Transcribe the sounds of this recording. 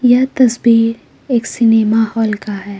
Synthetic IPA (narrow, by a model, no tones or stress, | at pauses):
jɐt̪ɐsbiːɾ | eːksɪnemaːhɔːlkaɦɛː